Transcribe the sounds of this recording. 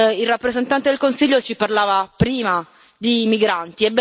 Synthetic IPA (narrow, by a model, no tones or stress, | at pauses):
ilrːapːɾezent̪ant̪ed̪elkonsiʎːot͡ʃiparlaːvapɾiːma | d̪imiɡɾant̪iɛbː